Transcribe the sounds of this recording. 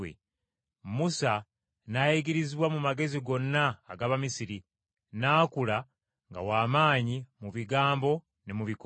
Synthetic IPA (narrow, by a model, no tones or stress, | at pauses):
ḛ | musa | najiɡiɾiziβwamumaɡe̞ziɡo̞nːaːɡaβamisiɾi | naːkula | ŋɡa̰waːmaːɲimuβiɡaːmbo̞ | ne̞muβik